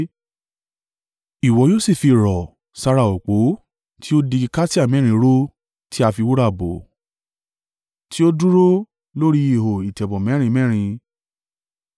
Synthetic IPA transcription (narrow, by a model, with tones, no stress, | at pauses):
i˨wɔ˨˦jo˦˨si˦˨fi˧˨ɾɔ˨ | sa˧ɾa˧˨o˨k͡po˨˦ | tʰi˦o˦di˧i˧ka˦ti˦a˦˨mɛ̃˨˦ɾ̃ĩ˧˦ɾo˦ | ti˦a˧fi˧wu˦ɾa˦˨bo˨ | ti˦o˦du˦ɾo˦ | lo˦ɾi˦i˦˨ɦo˨i˨tɛ˨bɔ̃˨mɛ̃˨˦ɾ̃ĩ˧mɛ̃˦ɾ̃ĩ˧